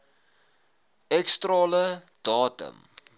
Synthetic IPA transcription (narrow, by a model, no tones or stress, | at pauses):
ɛkstrɑːlə | d̥ɑːtə̰m